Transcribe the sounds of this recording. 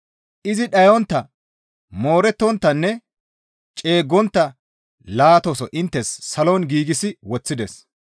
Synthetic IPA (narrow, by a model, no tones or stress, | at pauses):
ʔɪzɪɗɐjɔnt̪ːɐ | mo̞ːɾɛt̪ːɔnt̪ːɐnːɛ | t͡ʃʼe̞ːɡːɔnt̪ːɐ | laːt̪ɔsɔʔɪnt̪ːɛsːɐloːnɡiːɡɪsɪwɔt͡sːɪd̪ɛs